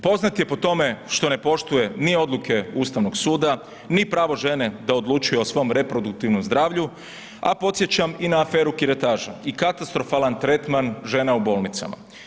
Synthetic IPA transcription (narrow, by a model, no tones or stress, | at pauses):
po̞znat̪je̞po̞t̪o̞me̞ʃt̪o̞ne̞po̞ʃt̪uje̞nio̞d̪lukʰe̞uːst̪aʋnoɡsuːd̪a | nipɾaːʋo̞ʒe̞ne̞d̪ao̞d̪lˠuːt͡ʃujeosʋo̞mɾe̞pɾo̞d̪uk̚t̪iʋnomzd̪ɾaːʋʎu | a̰po̞t̪sje̞t͡ɕaminaːfeːɾukiɾet̪aːʒaikat̪ast̪ɾo̞faːlant̪ɾe̞t̪manʒe̞naubo̞ːlˠnit̪sa̰ma̰